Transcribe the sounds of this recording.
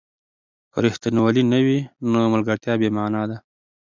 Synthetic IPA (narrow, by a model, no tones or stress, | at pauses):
kə̰ɾɪht̪inwalinəwinoməlɡəɾt̪jɑbemaːnɑd̪a